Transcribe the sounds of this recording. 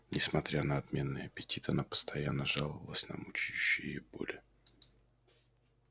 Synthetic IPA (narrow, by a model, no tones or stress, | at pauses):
nʲɪsmɐt̪ɾʲanəɐt̪mʲe̞nːɨjəɐpʲɪtʲit̪ɐnapə̥st̪ɐjanːəʐalˠəvəlˠəsʲnə̰mut͡ɕijʉɕːɪjɪbo̞̰lʲɪ